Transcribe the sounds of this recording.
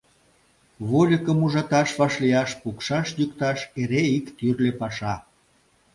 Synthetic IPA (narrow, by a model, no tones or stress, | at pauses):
βolʲəkə̆muʒɑt̪ɑʃβɑʃlijɑʃpukʃɑʃjukt̪ɑʃeɾeikt̪yrlepɑʃɑ